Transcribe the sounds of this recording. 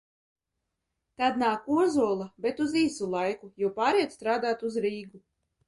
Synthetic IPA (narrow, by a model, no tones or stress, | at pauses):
t̪ad̪naːkuɔzuɔlˠabɛt̪uziːsulˠajkujuwpaːɾiɛt̪st̪ɾaːd̪aːt̪uzɾiːɡu